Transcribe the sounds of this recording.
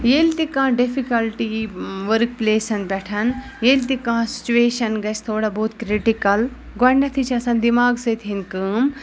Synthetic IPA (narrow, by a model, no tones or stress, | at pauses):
jeːlt̪ikãːɖifʰikɐlʈiʋəɾk̚pleːsɐnbʲɛʈʰɐn | jeːlʲt̪ikãːsi̥t͡ʃueːʃɐnɡɐt͡ʃʰt̪ʰoːɽaboːt̪kɾiʈikɐl | ɡɐnːɐt̪ʰit͡ʃʰɐsɐnd̪imaːɡsɨːt̪ʰɦinkəːm